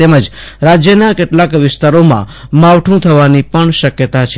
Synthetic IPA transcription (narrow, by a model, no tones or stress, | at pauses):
t̪eməd͡ʒɾad͡ʒjənakeʈlakʋɪst̪aɾomã̰maʋʈʰũt̪ʰəʋanipəɳʃəkjət̪at͡ʃʰ